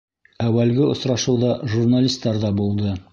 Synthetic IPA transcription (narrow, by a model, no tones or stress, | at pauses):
æwælɡɘŏ̰sɾɑʃɤwðɑʒurnalʲist̪ːɑɾðɑbulˠd̪ɤ